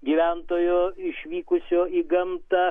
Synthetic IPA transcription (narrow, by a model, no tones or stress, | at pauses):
ɡʲiʋʲænt̪oːjoːɪʃʲʋʲiːkʊsʲoːiɡɐmt̪ɐ